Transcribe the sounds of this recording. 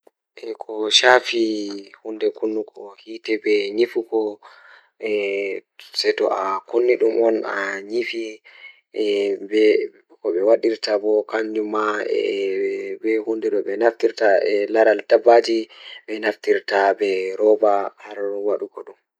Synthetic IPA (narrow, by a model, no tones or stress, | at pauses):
ʔɛkʰɔʃafihundɛkʰonːukʰɔhiːtɛbɛɲifukɔ | ɛ | sɛtɔ̰ʔakonːiɗumʔɔnaɲifi | bɛ | kɔɓɛwaɗiɾtabɔkandumaɛ̰ | bɛhundɛɗɔɓɛnaftiɾtaɛlaɾaldabːad͡ʒiɓɛnaftiɾtabɛɾɔbahaɾwaɗukɔɗum